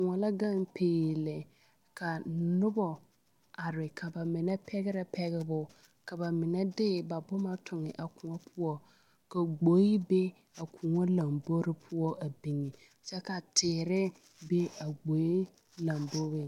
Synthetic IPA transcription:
kʊ˨ŋɔ˨la˦ɡa˦npʰeː˨jlɪ˨ | kʰa˨nʊ˦bɔ˨ | a˨ɾɪ˨kʰa˨ba˨mɪ˨nɛ˦pʰɛ˦ɡɪ˦ɾɪ˦pʰɛ˦ɡɪ˨bʊ˨ | ka˨ba˨mɪ˨nɛ˦dɪ˦˨ba˨bʊ˦ma˦tʰʊ˨ŋɪ˨ʔa˨kʊ˨ŋɔ˦pʰʊ˦ɔ˦ | ka˨ɡ͡bo˨˦ji˦be˦ | a˨kʰu˨ŋɔ˦la˨mbo˦ɾɪ˦pʰʊ˦ɔ˦ʔa˨bi˨ŋi˨ | sɛ˦ka˨tʰɪː˨ɾɪ˦ | be˦a˨ɡ͡bo˨˦i˦ | la˨mbo˦bɪ˦

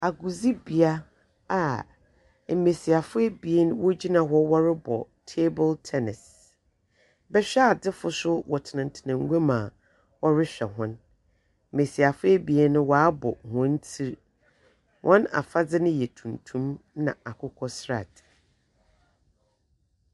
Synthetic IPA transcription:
a˨ɡu˨zi˦bi˨a˦ | a˨ | m̩˨me˨si˨a˨fʊ˦e˦bi˨e˦nʊ̃˦wo˦d͡ʑi˦nã˨ɦɔ˦wɔ˦ɾɪ˦bɔ˨ | tʰe˦bʊ˦ltʰɛ˦nɪ˨s | bɛ˦ɕᶣɛ˦a˨dɪ˦fʊ˨sʊ˦wɔ˨tʰɪ˨nã˨n̩˨tʰɪ˨nã˨ŋ˦ɡe˦mã˨ | ɔ˦ɾɪ˦ɕᶣɛ˨ɦʊ̃˦n | m̩˨me˨si˨a˨fʊ˦ɛ˦bi˨e˦nʊ̃˦wɔ˨a˦bɔ̰˨hʊ̃˦n̩˦tʰi˦ɾ | wʔɔ̃˦na̰˨fa˦d͡zɪ˦nɪ̃˦jɛ˨tʰũ˨n˨tʰũ˦mnã̰˨a˨kʰʊ˦kʰɔ˦sɾa̰˨td

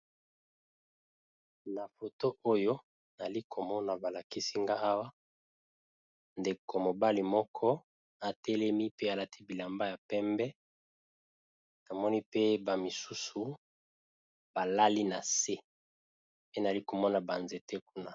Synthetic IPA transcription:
na˨fo˨to˦ʔo˦jo˦ | na˨li˦kʰo˨mɔ˦na˨ba˨la˨ki˦si˦ŋɡa˦a˦wa˦ | nde˨ko˨mo˨ba˦li˨mɔ˦kʰɔ˦ | a˨tɛ˦lɛ˦mi˦pe˦a˨la˦tʰi˦bi˨la˨mba˦ja˨pɛ˦mbɛ˦ | na˨mɔ˦ni˦pe˦ba˨mi˨su˦su˨ | b̥a˨la˦li˦na˨se˦ | pe˦na˨li˦ko˨mɔ˦na˨ba˨nze˨te˦ku˦na˦

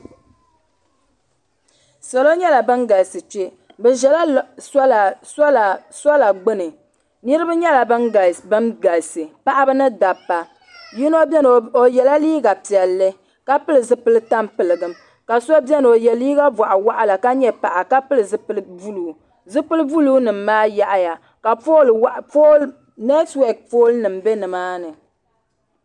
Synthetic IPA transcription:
sa˨lo˦ɲɛ˦la˨bɨ˦nɡa˨sɨ˨t͡ʃe˦ | bɛ˨ʒɛ˦la˦sa˦lslsɔ˦la˨ɡ͡bɨ˦nɨ˨ | nɨ˦ɾɨ˦ba˦ɲɛ˦la˨bɨ˦nɡa˨bɨ˦nɡa˨sɨ˨pa˦ʔa˦bɨ˦nɨ˦da˨pːa˨ | ji˦no˦o˨jɛ˨la˦liː˦ɡa˨pi˨ɛ˨lːɨ˦ | ka˦pɨ˦lɨ˨zɨ˦pɨ˦lɨ˦ta˦mpɨ˨lɨ˨ɡɨ˨m | ka˨sɔ˦bɛ˦n˨o˨jɛ˨liː˦ɡa˦ba˨ʔa˨wa˦ʔa˨la˨ka˦ɲɛ˦pa˨ʔa˨ka˦pɨ˦lɨ˨zɨ˦ɨ˦lɨ˦u˦luː˨˦˨ | zɨ˦pɨ˦lɨ˦bu˦luː˦nɨ˨m̩ː˦aː˦ja˦ʔa˦ja˨ | ka˨fo˦lwʔfo˦l | nɛ˦twɛ˨k̚foː˦lnɨ˨m˨bɛ˦nɨ˨maː˦nɨ˨

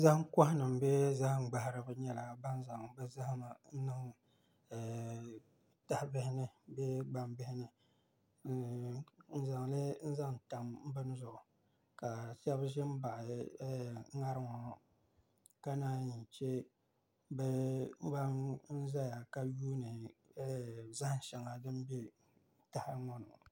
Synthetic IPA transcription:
za˦ŋka˦hnɨ˨m˨bɛ˦za˦hŋ͡mɡ͡ba˨hɾɨ˨bɨ˦ɲɛ˦la˨ba˦n˦za˨ŋbɛ˦za˦hma˨n̩˦nɨ˦ŋ˨ | ta˨hbɪ˦hɪ˦nɨ˦bɛ˦ɡ͡ba˨mbɪ˦hɪ˦nɨ˨ | n̩˦za˨ŋlɨ˦n̩˦za˦ŋn˨ta˨mm̩˦bɨ˦n˦zʊ˨ʔʊ˨ | ka˨sɛ˦bʒɛ˦m̩˦ba˨ʔɪ˨˦ | ŋa˦ɾɨ˦ŋɔ˨ | ka˦naː˦ɲi˨t͡ʃe˦ | bɛ˦ɡ͡ba˦n̩˦za˦ja˨ka˦juː˦nɨ˨˦˨ | za˦hʃɛ˨ŋa˨dɨ˦m˦be˦ | ta˨hɪ˦ŋɔ˦nʊ̰˨

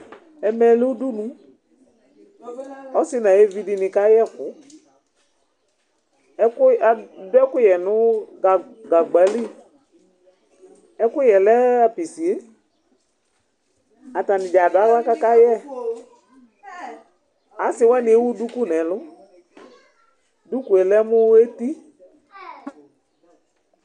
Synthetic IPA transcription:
ɛ˧mɛ˨lu˦du˦nũ˦ | ɔ˦sɪ˦nã˨e˦vi˧di˧nɪ˧ka˦jɛ˦˨kʊ˨˦ | ɛ˦kʊ˦a˨dʊ˦ɛ˦kʊ˦jɛ˨nʊ˦a˨ɡa˨ɡ͡ba˨˦li˦ | ɛ˦kʊ˦jɛ˨lɛ˦a˨pi˨si˨e˦ | a˨ta˨nɪ̃˨d͡ʒa˨dʊ˨a˨˦la˦ka˦ka˦jɛ˦ | a˨˦sɪ˨˦wɛ˦nɪ˨e˦wu˦du˦ku˦nɛ˨lʊ˦ | du˦ku˨ɛ˨lɛ˦mʊ˦e˦ti˦

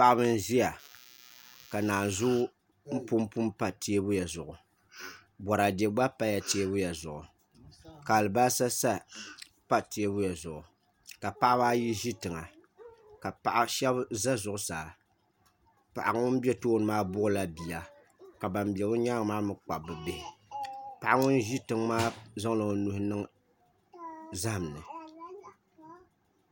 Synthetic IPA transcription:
pa˦˨ʔa˦bɨ˦n̩˦zi˦ja˨ | ka˨naː˨n˨zʊ˦ | m̩˦pu˦mpu˦mpa˦ti˦e˦bʊ˦ja˨zʊ˨ʔʊ˨ | bɔ˨ɾa˨de˨ɡ͡ba˦pa˦ja˨te˦e˦bʊ˦ja˨zʊ̰˨ʔʊ̰˨ | ka˨lɨ˨ba˦sa˦sa˦ | pa˦ti˦e˦bʊ˦ja˨zʊ˨ʔʊ˨ | ka˨pa˦ʔa˦baː˦ji˦ʒi˦tɨ˨ŋa˨ | ka˨pa˨ʔa˦ʃɛ˦bza˦zʊ˨ʔʊ˦saː˨ | pa̰˨ʔa˨ŋʊ˦n˦bɛ˦toː˦nɨ˨maː˦bʊ˦ʔʊ˦la˦bi˨ja˨ | ka˨ba˨m˦bi˨ɛ˨bɨ˦ɲaː˦ŋ˦maː˦mɨ˦k͡pa˨bɨ˨be˨hɪ˨pa˨ʔa˦ŋʊ˦nʒi˦tɨ˨ŋmaː˦za˦ŋlo˨nu˦hɪ˦nɨ˦ŋ | za˦hm˨nɨ˨

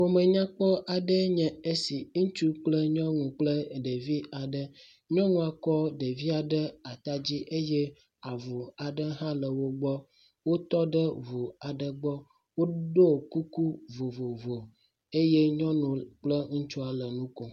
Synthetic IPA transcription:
wo˦mə̃˨ɲã˦k͡pɔ˦ʔa˨ɖə˦ɲɛ̃˨e˦si˨ŋ̩̃˦t͡ʃu˦k͡plə˦ɲɔ̃˦ŋũ˨k͡plə˦ɖe˨vi˦a˨ɖə˦ | ɲɔ̃˦nũ˦a˨kɔ˦ɖə˨vi˦a˨ɖə˦a˨t̪a˦d͡ʑi˦ʔe˦je˦ | a˨vu˨a˨ɖə˦ɦã˦lə˨wo˦ɡ͡bɔ˦ | wo˦t̪ɔ˦ɖə˦vu˨a˨ɖə˨ɡ͡bɔ˦ | wo˦ɖo˦˨ku˦ku˦vo˨vo˨vo˨ | e˦je˦ɲɔ̃˦nũ˨k͡plə˦ŋũ˦t͡ʃu˦a˨lə˨nũ˦ko˨

